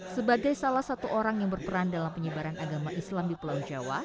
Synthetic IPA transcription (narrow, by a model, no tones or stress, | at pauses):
səbaɡajsalahsat̪uʔoɾaŋjaŋbərpəɾandalampəɲəbaɾanʔaɡamaʔislamdipəlawd͡ʒawa